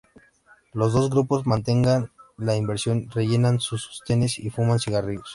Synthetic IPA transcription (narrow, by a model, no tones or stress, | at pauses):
lo̞zðo̞zɣɾupo̞zmãnt̪e̞ŋɡanlaimbe̞ɾsjo̞nre̞ʝe̞nansuso̥st̪ene̞sifumansiɣarios